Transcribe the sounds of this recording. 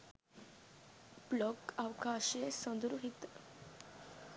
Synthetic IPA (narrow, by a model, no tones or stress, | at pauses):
blɔkawkaɕesənd̪ɾuɦit̪